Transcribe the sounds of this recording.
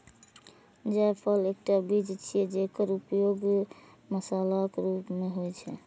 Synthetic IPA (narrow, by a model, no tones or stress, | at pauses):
d͡ʒajpʰəlek̚ʈabid͡ʒt͡ʃʰijɛd͡ʒekəɾupjoɡ | məsalakeɾupmeɦojt͡ʃʰɛ̰